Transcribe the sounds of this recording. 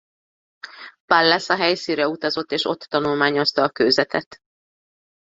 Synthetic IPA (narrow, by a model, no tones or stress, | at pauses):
palːɛsɒɦɛjsinɾɛut̪ɒzo̞t̪ːeːʃo̞t̪ːɒnulmaːɲo̞st̪ɒːkøːzɛt̪ɛt̪